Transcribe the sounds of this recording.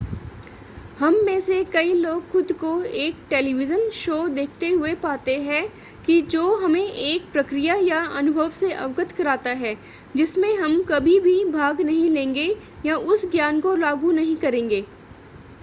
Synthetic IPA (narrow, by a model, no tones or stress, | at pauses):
hɐmːẽːsekɐiloːɡxʊd̪koeːk̚ʈeːliʋɪd͡ʒənʃoːd̪eːkʰt̪eɦʊepaːt̪eɦɛ | kid͡ʒoːɦɐmẽʔeːk̚pɾɐkɾijajaɐnʊbʱəʋseʔɐ̰ʋkət̪kɐɾaːt̪aɦɛː | d͡ʒɪsmẽɦɐmkɐbʱibʱibʱaːɡnɐɦĩlẽːŋɡe | jaʔʊsɡjaːnkolaːɡunɐɦĩkɐɾẽːŋɡeː